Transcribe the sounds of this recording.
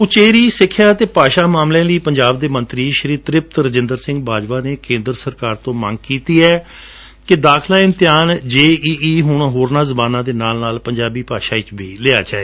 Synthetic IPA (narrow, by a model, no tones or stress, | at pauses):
ʊt͡ʃeːɾiːsɪkʰːjaːt̪eːpaːʃaːmaːmlẽːliːpəɲd͡ʒaːb̚d̪eːmənt̪ɾiːʃəɾiːt̪ɾɪp̚t̪ɾəd͡ʒɪ̃nd̪əɾsɪ̃ŋɡ̚baːd͡ʒʋaːneːkẽːnd̪ɾəsəɾkaːɾt̪õːmə̰̃ŋɡkiːt̪iːɛː | kɪd̪aːkʰlaːɪ̃nt̪ɪjaːnd͡ʒeːiːiːɦʊːɽ̃aːɦoːɾnãːzəbaːnãːd̪eːnaːlnaːlpəɲd͡ʒaːbiːpaːʃaːɪt͡ʃbiːleːa̰ːt͡ʃaːeː